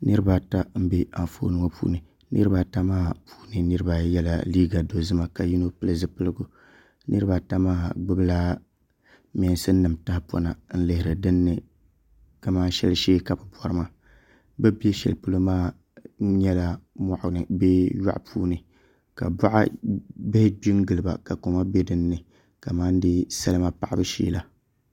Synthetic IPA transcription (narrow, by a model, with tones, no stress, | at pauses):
nɨ˦ɾɨ˦ba˦ta˦m̩˦be˦a˨ɱfo̰˦nɨ˦ŋo˦pʰṵː˦nɨ˨ | nɨ̰˦ɾɨ˦ba˦ta˦maː˦pʰu̥ː˦nɨ˨nɨ˦ɾɨ˦ba˦jɛ˦la̰˨liː˦ɡa˨do˨zɨ˦ma˨ka˨ji˦no˦pɨ˦lɨ˨zɨ˦pɨ˦lɨ˦ɡʊ˦ | nɨ˦ɾɨ˦ba˨ta˦maː˦ɡ͡bʊ˦blaː˦ | mɛ˨n˨sɨ˦n˦nɨ˨mta˦hpɔ̰˦na˨n̩˦lɨ˦hɪ˨ɾɨ˨dɨ˦nːɨ˦˨ | ka˨maː˦ʃɛ˦lʃeː˦ka˨bɨ˨bɔ˨ɾɨ˦ma˦ | bɛ˦bi˦e˦ʃɛ̰˨lpɨ˦lɨ˦maː˦˨˦ | ɲɛ˦la˦ma˨ʔʊ˨nɨ˨bɛ˦ja̰˦ʔpʰuː˦nɨ˨ | ka̰˨ba˦ʔa̰˦bɪ˦hɪ˦bi˦ŋɡɨ˨lɨ˨ba̰˨ka˨ko˨ma˦bɛ˦dɨ˦nːɨ˨ | ka˨maː˦n˦dɨ˦sa˦lɨ˦ma˦pa˨ʔa˦bɨ˦ʃḭː˦la˦